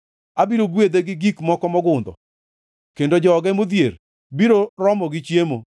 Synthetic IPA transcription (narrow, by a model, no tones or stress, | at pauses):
abiɾoɡwed̪eɡɪɡikmɔkɔmɔɡʊnd̪ɔ̰ | kendod͡ʒɔːɡɛmod̪jer | biɾorɔmɔɡɪt͡ʃjemo